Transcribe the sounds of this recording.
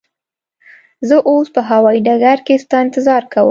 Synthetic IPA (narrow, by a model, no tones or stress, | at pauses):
zəʔospəɦawɑiɖaɡaɾkest̪ɑɪ̃nt̪ɪzɑɾkawə̰